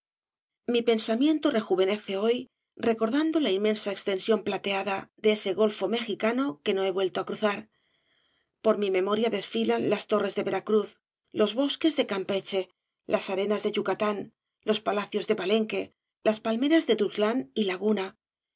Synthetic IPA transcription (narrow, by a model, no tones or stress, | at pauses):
mipe̞nsamjẽ̞nt̪o̞re̞xuβe̞ne̞θe̞o̞j | re̞ko̞ɾðand̪o̞lainmẽ̞nsaekst̪e̞nsjo̞mplat̪e̞aðaðeese̞ɣo̞lfo̞me̞xikano̞ke̞no̞e̞βwe̞lt̪oakɾuθaɾ | po̞ɾmimẽ̞mo̞ɾjaðe̞sfilanlast̪o̞re̞zðe̞βe̞ɾakɾuθ | lo̞zβo̞ske̞zðe̞kampe̞t͡ʃe̞ | lʔasaɾe̞nazðeʝukat̪an | lo̞spalaθjo̞zðe̞βale̞ŋke̞ | laspalme̞ɾazðe̞ðuzlanilaɣuna